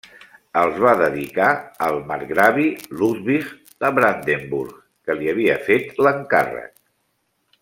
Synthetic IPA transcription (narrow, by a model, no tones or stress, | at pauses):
əlˠzβaðəðikaəlˠməɾɣɾaβiluzβiɣ | əβɾand̪embuɾɣːəliəβ̞iəfet̪ləŋka̰rə̰k̚